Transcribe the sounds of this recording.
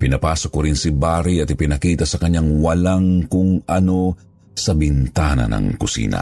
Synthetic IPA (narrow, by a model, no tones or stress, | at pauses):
pɪnɐpaːsokoɾɪnsibaːɾiɐt̪ɪpɪnɐkiːt̪ɐsɐkɐɲaŋwɐlaŋkʊŋʔɐno̞ | sɐbɪnt̪aːnɐ̰nɐ̰ŋkʊsḭːnɐ̰